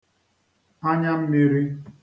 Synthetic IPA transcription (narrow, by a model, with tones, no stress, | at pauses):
ha˦ɲa˦m̩˦mi˦ɾi˦